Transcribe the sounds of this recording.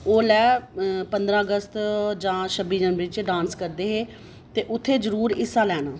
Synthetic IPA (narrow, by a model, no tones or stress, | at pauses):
oːlɛːpənd̪ɾãːəɡəst̪d͡ʒãːʃəbĩːd͡ʒənʋɪt͡ʃɖãːnskəɾd̪eːɦeː | t̪eːʔʊt̪ʰːeːd͡ʒəɾuːɾɪsaːlɛːnaː